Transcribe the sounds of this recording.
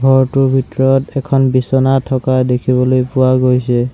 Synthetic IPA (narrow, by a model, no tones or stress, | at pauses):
ɡʱɔɹtʊbʱitɔɹɔtɛkʰɔnbisɔnatʰɔkadekʰiβɔlojpʊwaɡojsɛ